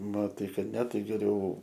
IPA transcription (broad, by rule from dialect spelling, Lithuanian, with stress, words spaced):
mɐˈtɐɪ ˈkɐt nʲɛ ˈtɐɪ ɡʲɛˈrʲɛʊ